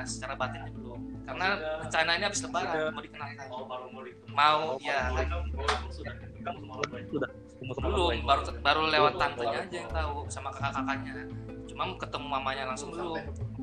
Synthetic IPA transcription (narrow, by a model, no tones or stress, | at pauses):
sə̥t͡ʃaɾabat̪ɛnɲabəlʊŋkaɾənaət͡ʃanainiabɪsləbaɾamadikənalka | maujakan | dulʊbaɾubaɾulewant̪ant̪əɲaːd͡ʒajaŋt̪ausamakakakakanɲat͡ʃumaŋkət̪əmuamaɲalaŋsʊŋdulʊŋ